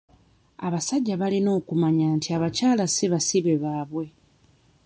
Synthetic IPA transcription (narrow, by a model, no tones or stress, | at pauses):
aβasaɟːaβalino̞ːkumaɲaːntiaβacaːlasiβasiβe̞βaːβwe̞